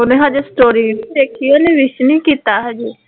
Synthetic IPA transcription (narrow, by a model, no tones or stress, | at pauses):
ʊnẽːɦãd͡ʒesʈoːɾid̪eːkʰionẽʋɪʃnĩːkiːt̪aːɦɛd͡ʒiː